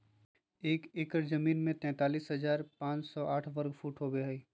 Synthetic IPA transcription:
eːkeːkəɾzɐmiːnmẽt̪ɛ̃ːt̪aːliːsɦɐzaːɾpãːt͡ʃsɔʔaːʈʰʋɐɾɡfʰuːʈɦoɡeɦəiː

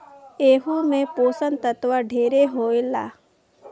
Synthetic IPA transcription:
eːɦumẽpoːsənt̪ət̪wəɖʱeːɾeɦoːɪla̰ː

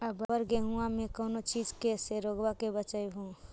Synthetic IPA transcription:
əbəbəɾɡeɦũamẽkəʊnot͡ʃid͡ʒkeseɾoɡbakebət͡ʃəjɦũ

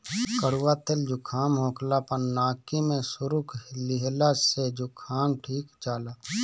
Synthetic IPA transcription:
kəɽuwat̪eld͡ʒʱʊkʰaːmɦõːklapənaːkimẽsʊɾʊklɪɦlased͡ʒʊkʰaːnʈʰiːkt͡ʃaːlaː

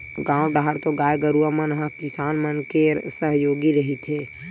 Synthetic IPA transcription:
ɡãːwɖaɦəɽt̪oɡaːjɡəɾuamənɦãkɪsaːnmənkeːɾsəɦjoːɡiɾəɦit̪ʰeː

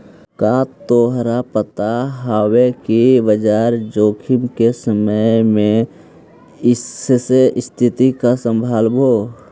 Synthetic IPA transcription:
kat̪oːɦɾapət̪aɦawekibəd͡ʒaːɾd͡ʒoːkʰɪmkesəməjmẽ | ɪseʔɪst̪ʰɪt̪ikasə̃mbʱaːlbʱoː

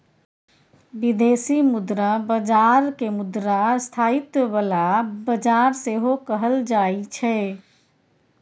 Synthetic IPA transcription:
bid̪eːsimʊd̪ɾabəd͡ʒaɾkemʊd̪ɾast̪ʰaːit̪bəlabəd͡ʒaːɾseɦokəɦəld͡ʒaːit͡ʃʰɛ

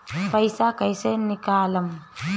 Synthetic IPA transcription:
pɐjsaːkɐjseːnikaːlɐm

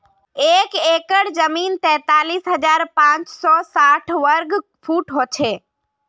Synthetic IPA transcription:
eːkeːkəɽzəmiːnt̪ɛ̃ːt̪aːliːsɦɐd͡ʒaːɾpãːt͡ʃsɔːsaːʈʰʋəɾɡpʰuːʈɦoːt͡ʃʰeː

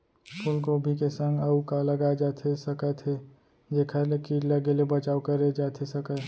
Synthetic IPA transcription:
pʰʊlk̬obʱikesə̃ŋɡəukaləɡad͡ʒat̪ʰesəkət̪ʰe | d͡ʒekʰəlekiːʈləɡelebət͡ʃaːukəɾed͡ʒaːt̪ʰesəkə

